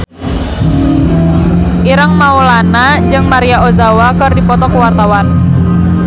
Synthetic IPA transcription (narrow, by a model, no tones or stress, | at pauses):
ʔiɾəŋmaulanad͡ʒɨŋmaɾijaozawakərdipɔt̪ɔkuwart̪awan